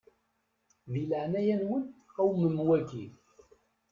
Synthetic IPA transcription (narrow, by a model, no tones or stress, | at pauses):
ðiləʕnæjænwənæwməmwæki